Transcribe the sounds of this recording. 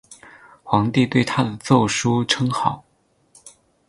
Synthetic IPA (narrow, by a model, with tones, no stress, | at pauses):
xwɑ˧˥ŋt̪i˥˧t̪we˥˩ɪt̪ʰa˥d̪ə˨t͡so˥˩ʊʂu˥ʈ͡ʂʰɤ˥ŋxɑ˨˩˦ʊ